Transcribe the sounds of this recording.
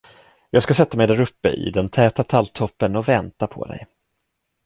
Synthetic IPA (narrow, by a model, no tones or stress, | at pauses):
jɑːɡskasɛt̪ːamɛjd̪æɾɵpːə̰ʔɪ̰d̪ɛnt̪ʰɛːt̪at̪ʰalt̪ʰːɔpːənɔvɛnt̪apʰɔ̰d̪ɛ̰j